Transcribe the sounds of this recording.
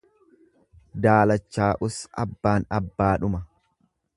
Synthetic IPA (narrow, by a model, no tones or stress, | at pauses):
d̪aːlɐt͡ʃːaːʔʊsɐ̰bːaːnɐbːaːᶑʊmɐ